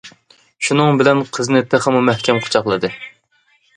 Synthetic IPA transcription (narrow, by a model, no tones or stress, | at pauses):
ʃunɨŋbɪlɛnqʰəzɨnɨt̪ʰeχəmumɛhkʲʰɛmqʰʊ̥t͡ʃʰɑχlˠɨd̪ɨ